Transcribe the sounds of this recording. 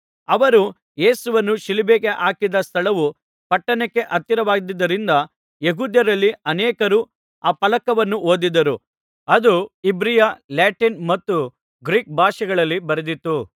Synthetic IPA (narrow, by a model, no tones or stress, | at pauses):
ɐʋɐɾu | je̞ːsuʋɐnːuʃilibeːkeʔaːkid̪ɐst̪ʰɐɭɐʋu | pɐʈːɐnekːe̞ʔɐt̪ːiɾɐʋaːɡd̪id̪ːɐɾind̪ɐ | jeɦuːd̪jɐɾɐlːiɐnɛːkɐɾuː | aːpɐlɐkɐʋɐnːuoːd̪id̪ːɐɾu | ɐd̪uibɾijalaːʈinmɐt̪ːu | ɡɾiːk̚bʱaːʃɐɡɐɭɐlːibɐɾed̪it̪ːu